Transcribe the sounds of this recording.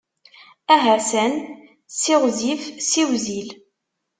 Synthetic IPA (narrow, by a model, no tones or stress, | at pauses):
æɦæsən | siʁzifsiwzil